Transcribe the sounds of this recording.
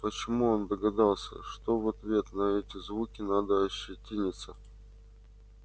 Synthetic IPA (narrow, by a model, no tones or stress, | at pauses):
pət͡ɕɪmuond̪əɡɐd̪alˠsʲə̰ʂt̪ovɐt̪vʲe̞t̪nɐɛtʲɪzvukʲɪnad̪əɐɕːɪtʲinʲɪt̪sə